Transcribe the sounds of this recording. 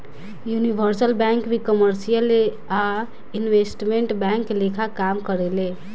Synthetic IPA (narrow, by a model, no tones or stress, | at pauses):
junibʱəɾsəlbɛ̃ŋkbʱikəməɾsijəl | a | inʋesʈmeɳʈbɛŋklekʰakamkəɾele